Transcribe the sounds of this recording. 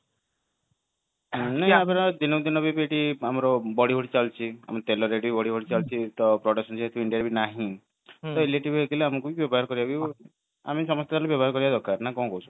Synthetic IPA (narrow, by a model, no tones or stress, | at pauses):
naɦapeɾɔd̪inɔd̪inɔbipeʈiamɔɾɔbɔɽiɦoɽit͡ʃalt͡ʃʰia̰mt̪elɔɾeʈibibɔɽiɦoɽit͡ʃalt͡ʃʰit̪ɔpɾɔɽasɔnseɦet̪ʰiiɳɖiaɾebinaɦĩ | t̪ɔeleʈibekʰileamɔkubibjɔbɔɦaɾɔkɔɾibabi | a̰misɔmɔst̪esʰalebjɔbɔɦaɾɔkɔɾibad̪ɔkaɾnakɔ̃ũkɔwut͡ʃʰu̥